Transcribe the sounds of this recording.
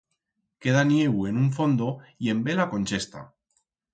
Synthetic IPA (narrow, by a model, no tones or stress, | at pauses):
ke̞ð̞anjeɣue̞nuɱfo̞nd̪oie̞mbe̞lakõ̞nt͡ʃe̞st̪a̰